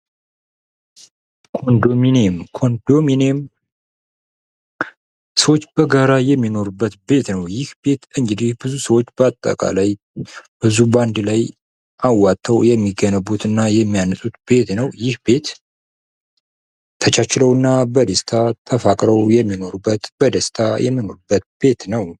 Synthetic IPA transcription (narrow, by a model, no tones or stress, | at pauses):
kʰo̞nd̪o̞minemkʰo̞nd̪o̞minem | səwot͡ʃːbəɡaɾajɛmːino̞ɾubːət̪be̞t̪nəwjɪhbe̞t̪ɨŋɡɨd̪ihbɨzusəwot͡ʃːbəat̪ʼːə̰kʼa̰laj | b̥ɨzuband̪laj | ʔawːat̪ʼʰːəwjɛmːiɡənəbut̪ɨnːajɛmːijanɨsʼut̪be̞t̪nəwjɪhbe̞t̪ | t̪ʰət͡ʃʼat͡ʃɪləwɨnːabəd̪əst̪ʰat̪ʰəfakʼɾəwjɛmːino̞ɾubːət̪b̥əd̪əst̪ʰajɛ̰mːino̞ɾubːət̪̚b̥e̞t̪nəw